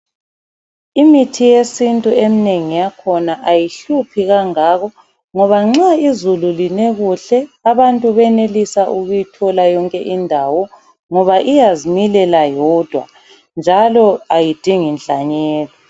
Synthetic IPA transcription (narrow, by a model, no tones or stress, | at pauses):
imitʰijesintʼuemineŋijakʰɔnaʔajiɬupʰiɣaŋaːɣɔ | ŋɔβaŋ͡ǁaizululineɣuɬɛaβantʼuβɛnelisaʔuɣujitʰɔlajɔŋkʼɛʔindʱawɔ | ŋɔβaʔijazimilɛlajɔd̥ʱwa̰ | nd͡ʒʱalɔajid̥ʱiŋinɬʼaɲɛːlɔ